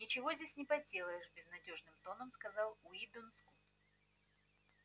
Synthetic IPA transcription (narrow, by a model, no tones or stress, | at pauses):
nʲɪt͡ɕɪvo̞zʲdʲesʲnʲɪpɐdʲelˠəjɪʂbʲɪznɐdʲo̞ʐnɨmt̪o̞nəmskɐzɑlˠʊid̪onskut̪